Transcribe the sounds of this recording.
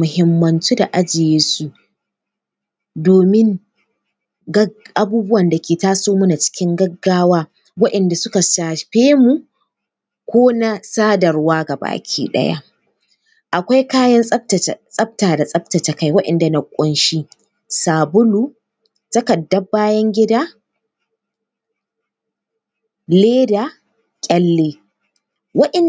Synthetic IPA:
mʊ˨ɦɪ˦mːɐ˨nt͡ʃi˦da˨ʔa˦d͡ʒɪ˨jeː˦su˦ʔ | doː˨mɪ˦ŋ | ɡʔa˨buː˦bʊ˦wɐ˨nda˨kʲʰeː˨taː˦soː˦mʊ˦na˨t͡ʃɪ̥˦kʲɪ˦ŋɡɐ˦ɡːaː˦waː˦ | wɐ˦ʔɛ˨nda˨sʊ˦ka˨saː˨ɸeː˦mu˨ | kʷoː˦na˦saː˦dɐ˨rwaː˦ɡa˨ba̰ː˨kʲʰḭː˦ɗɐ̰˦ja̰˦ | ʔa˨kʷa˦jkaː˦jɐ˦nʼɐ˦tsʼɐ˦b̚taː˨da˨sʼɐ˦b̚tɐ˨ta˨ka˦jwɐ˦ɗɐ̰˨nda˨nɐ˨kʷʼʊ˦nʃi˦ | saː˨bʊ˦lu˦ | tɐ˦kɐ˨dːɐ˦bːaː˦jɐ˦ŋɡʲɪ˦daː˦ | leː˦da˨ | kʲʼɐ˦lːeː˦ | wɐ˦ʔɛ˨n

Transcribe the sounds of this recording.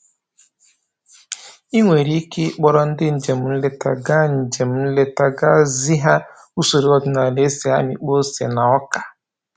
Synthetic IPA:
i˦ŋʷe˨ɾi˦ke˦k͡pɔ˦ɾɔ˦n̩˦dɪ˦n̩˨d͡ʒe˨m̩˨˦n̩˦le˦ta˨ɡa˦n̩˨d͡ʒe˨m̩˦n̩˦le˦ta˨ɡa˦zi˦ɦa˦ | u˦so˨ɾi˦ɔ˦dʊ˨na˨le˦se˨ɦa̰˦mi˨k͡po˦se˨na˨ɔ˦ka˨

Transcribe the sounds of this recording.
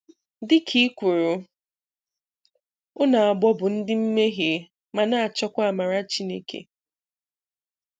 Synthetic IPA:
dɪ˦kʰi˦kʷu˨ɾu˨ | ʊ˦na˨a˨ɡ͡bɔ˦bʊ˨n̩˦dɪ˦m̩˦me˦ɦe˨ | ma˨na˦a˨t͡ʃɔ˦kʷa˦˨ma˨ɾa˦t͡ʃi˦ne˦kḛ˨

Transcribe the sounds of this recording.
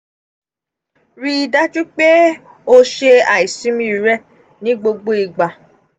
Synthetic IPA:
ɾi˧i˧da˦d͡ʒu˦k͡pe˦ | o˧ʃe˧a˨i˨sĩ˨˦mĩ˦ɾi˨ɾɛ˦ | nĩ˨˦ɡ͡bo˧ɡ͡bo˦i˧ɡ͡ba˨

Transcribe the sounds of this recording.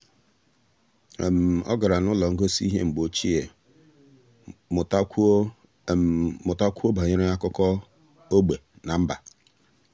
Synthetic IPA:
ḛ˨m̩˨ɔ̰˦ɡa˨ɾa˨nʊ˦lɔ˨ŋ̩˦ɡo˦si˦i˦ɦe˦ŋ͡m̩˨ɡ͡bo˦t͡ʃi˦e˨ | mʊ˨ta˦kʷu˦o˦ba˨ɲɪ˦ɾe˦a˦kʊ˦kɔ˦ | o˦ɡ͡be˨na˨m̩˦ba̰˨

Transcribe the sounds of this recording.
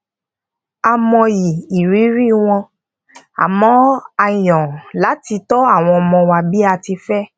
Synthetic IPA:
a˧mɔ̃˧ji˨i˨ɾi˨˦ɾi˦w̃ɔ̃˧ | a̰˨mɔ̃˦a˧jɔ̃˨la˨˦ti˧tɔ˦a˦˨w̃ɔ̃˧ɔ˧mɔ̃˧wa˧bi˦a˧ti˧fɛ˦

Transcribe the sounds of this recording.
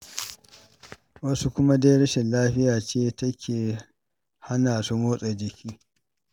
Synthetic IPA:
wɐ˦su˦kʷʊ˦ma˦da˦jɽɐ˦ʃɪ˨nlaː˦ɸɪ˦jaː˨t͡ʃeː˦tɐ˦kʲʰeː˨ | ha˦naː˨su˦moː˦sʼɐ˨d͡ʒɪ˨kʲiː˦

